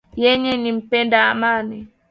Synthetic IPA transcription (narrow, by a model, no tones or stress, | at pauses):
jɛɲɛnim̩pɛndamani